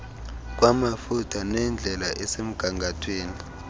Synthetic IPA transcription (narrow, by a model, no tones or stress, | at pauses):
k̬wamafutʰanɛnd͡ɮʱɛlaʔɛsem̩ɡ̥ʱaŋɡʱatʰweːni